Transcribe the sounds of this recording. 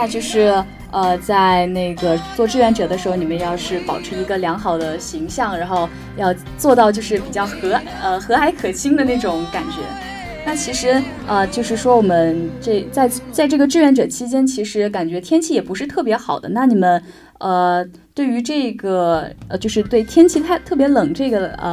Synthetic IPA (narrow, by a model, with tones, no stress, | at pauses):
na˥˧t͡ɕjo˥˧ʊʂɻ̩˥˩ | ə˧t͡sa˥˧ɪɪne˥˩ɪɡə˩t͡swɔ˥˧ʈ͡ʂɻ̩˥˩ɥɛ˧˥nʈ͡ʂɤ˨˩d̪ə˦ʂɻ̩˧˥xo˧˩ni˨˩mə˦njɑ˥˧ʊʂɻ̩˥˩pɑ˨˩ʊʈ͡ʂʰɻ̩˧˥i˧˥ɡə˧ljɑ˧˥ŋxɑ˨˩ʊd̪ə˦ɕi˧˥ŋɕjɑ˥˩ŋɻa˧˥nxo˥˧ʊ | jɑ˥˧ʊ | t͡swɔ˥˧t̪ɑ˥˧ʊt͡ɕjo˥˧ʊʂɻ̩˥˩pi˨˩t͡ɕjɑ˥˩ʊxɤ˧˥ə˧xɤ˧˥a˧˥ɪkʰɤ˨˩t͡ɕʰi˥ŋd̪ə˨ne˥˩ɪʈ͡ʂʊ˨˩˦ŋka˨˩nt͡ɕɥɛ̰˧˥ | na˥˩t͡ɕʰi˧˥ʂɻ̩˧˥ | ə˧t͡ɕjo˥˧ʊʂɻ̩˥˩ʂwɔ˥wɔ˨˩mə˦nʈ͡ʂe˥˩t͡sa˥˧ɪt͡sa˥˧ɪʈ͡ʂɤ˥˩ɡə˩ʈ͡ʂɻ̩˥ɥɛ˧˥˩nʈ͡ʂɤ˨˩t͡ɕʰi˥t͡ɕjɛ˥nt͡ɕʰi˧˥ʂɻ̩˧˥ka˨˩nt͡ɕɥɛ˧˥t̪ʰjɛ˥nt͡ɕʰi˥˩jɛ˨˩pu˧˥ʂɻ̩˥˧t̪ʰɤ˥˩p̬jɛ˧˥xɑ˨˩ʊd̪ə̰˦na˥˩ni˨˩mə˦n | ə˧ | t̪we˥˩ɪy˧˥ʈ͡ʂɤ˥˩ɡə˩t͡ɕjo˥˧ʊʂɻ̩˥˧t̪we˥˩ɪt̪ʰjɛ˥nt͡ɕʰi˥t̪ʰa˥˧ɪt̪ʰɤ˥˩pjɛ˧˥lɤ˨˩ŋʈ͡ʂɤ˥˩ɡə˩ə̰˧